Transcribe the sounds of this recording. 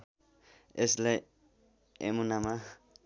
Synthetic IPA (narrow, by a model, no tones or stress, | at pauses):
esle | emunama